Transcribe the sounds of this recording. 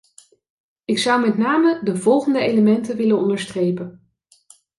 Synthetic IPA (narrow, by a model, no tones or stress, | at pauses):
ɪksʌwmɛtnaːmədəvɔlˠχəndəejləmɛntəʋɪlənɔndəɹstrejpən